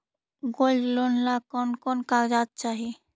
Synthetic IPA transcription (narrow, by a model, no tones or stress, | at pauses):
ɡold͡ʒlonlakɔnkɔnkaɾd͡ʒat̪̚t͡ʃaːɦi